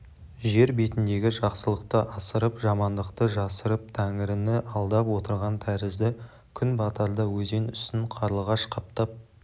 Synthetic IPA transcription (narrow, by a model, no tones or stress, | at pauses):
ʒe̞ɾbe̞t̪ɪnd̪e̞ɡʲɪʒɑqsəlˠəqt̪əʔɑsəɾəpʒɑmɑnd̪əqt̪əʒɑsəɾəp̚t̪ʰæŋɪɾɪnɪʔɑlˠd̪ɑpwo̞t̪əɾʁɑnt̪ʰæɾɪzd̪ɪ | kʲʰʏnbɑt̪ɑɾd̪əwɵze̞nʏst̪ɪɴqʰɑɾəlˠʁɑʃqʰɑp̚t̪ɑp̚